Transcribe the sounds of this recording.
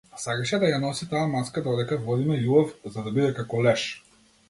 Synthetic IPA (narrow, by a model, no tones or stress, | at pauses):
sakaʃɛd̪ajanɔsit̪aːmaskad̪ɔd̪ɛkavɔd̪imɛjubɔfzad̪abid̪ɛkakɔlɛʃ